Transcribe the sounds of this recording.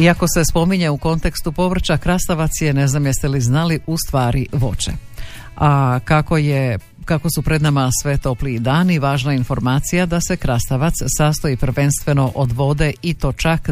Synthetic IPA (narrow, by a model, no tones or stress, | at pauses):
iako̞se̞spo̞miɲe̞uko̞nt̪e̞kst̪upo̞ʋr̩t͡ʃakɾast̪aʋat̪sjene̞znamjest̪eliznaliʔust̪ʋaːɾiʋo̞̰t͡ʃḛ | akakoje | kako̞supɾe̞d̪namasʋe̞t̪o̞pliːd̪aːniʋaːʒnainfo̞ɾmaːt̪sijad̪ase̞kɾast̪aʋat̪ssast̪o̞jipr̩ʋenst̪ʋe̞no̞ʔod̪ʋo̞d̪e̞it̪o̞t͡ʃak